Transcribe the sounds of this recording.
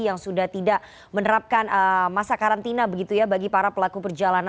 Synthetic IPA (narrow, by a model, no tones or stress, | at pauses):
jaŋsudaht̪idaʔ | mənəɾap̚kanəmasakaɾant̪inabəɡit̪ujabaɡipaɾapəlakupərd͡ʒalan